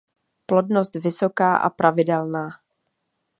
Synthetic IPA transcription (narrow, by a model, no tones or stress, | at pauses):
plo̞dno̞st̪vɪso̞kaːʔa̰pɾʔavɪdɛlnaː